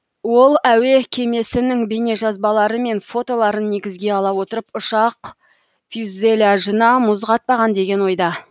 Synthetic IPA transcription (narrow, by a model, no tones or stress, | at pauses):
wo̞lˠæwe̞kʲʰe̞me̞sɪnɪŋbe̞ne̞ʒɑzbɑlˠɑɾəme̞nfo̞t̪o̞lˠɑɾənːe̞ɡʲɪzɡʲe̞ɑlˠɑwo̞t̪əɾəpʊʃɑq | fjuzelʲaʒənɑmʊzʁɑt̪̚pɑʁɑnd̪e̞ɡʲe̞nwo̞jd̪ɑ